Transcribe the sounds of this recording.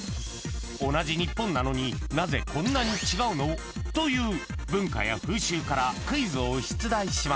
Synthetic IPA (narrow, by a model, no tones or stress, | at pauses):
o̞naʑiɲ̟ipːõ̞nːano̞ɲ̟inaze̞kõ̞nːaɲ̟it͡ɕiɡaɯ̟no̞ | t̪o̞jɯ̟ːbɯ̟̃ŋka̰ja̰ɸɯ̟ːɕɨːkaɾakɯ̟izɨoɕi̥t͡sɨd̪aiɕima